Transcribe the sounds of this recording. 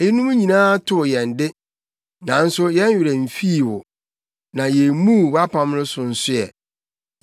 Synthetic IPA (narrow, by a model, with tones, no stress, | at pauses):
e˦nũ˦m˦ɲĩ˨nãː˦tʰʊ˦˨jɛ̃˨n̩˨dɪ˦ | nã˨n̩˦sʊ˦jɛ˦n˦ɥᶣɪ˨ɾɛ˨m̩˨fi˦˨wʊ˨ | nã˨jɛ˨mũ˦˨wa˦pʰã˦mnʊ̃˦sʊ̃˨n̩˨sʊ˦jɛ̰˨